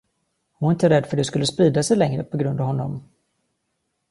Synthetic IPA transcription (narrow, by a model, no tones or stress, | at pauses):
hʊnæɾɪnt̪əɾɛd̪ːfœɖɛskɵlːəspɾiːd̪asɛjlɛŋɾə̰pʰɔɡɾɵnd̪avɦɔnːɔ̰m